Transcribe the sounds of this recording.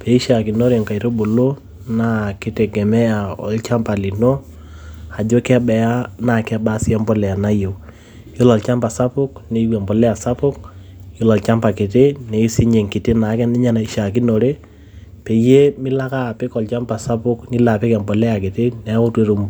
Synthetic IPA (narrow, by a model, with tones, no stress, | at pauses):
pɛ˨i˦ʃa˨ki˨no˦ɾe˨ŋka˨i˨ɾo˦bo˨lo˦ | na˦kɪ˦tɛ˨ɡɛ˨mɛ˦a˨ɔ̰˨lt͡ʃa˦mpa˨li˨no˦ | a˨d͡ʒo˦kɛ˦bɛ˨a˦na˨kɛ˦ba˦sɪ˦a˦mpɔ˦lɛ˨a˨na˦je˨ | jo˦lɔ˨lt͡ʃa˦mpa˨sa˦pʊ˦kne˦wa˨mpɔ˨lɛ˦a˨sa˦pʊ˦k | jo˦lɔ˨lt͡ʃa˦mpa˨kɪ˨te˦nɛ˨i˦sɪ˦ɲe˨ŋkɪ˨te˦na˨˦kɛ˦nɪ˦ɲa˦na˨i˨ʃa˨ki˦no˨ɾe˦ | pɛ˨je˦mɪ˦la˦ka˦˨pɪ˦kɔ˨lt͡ʃa˦mpa˨sa˦pʊ˦knɪ˦la˨pɪ˦kɛ˨mbɔ˨lɛ˦a˨ke˨te˦nɛ˨˦ʊ˦twe˦ɾu˨m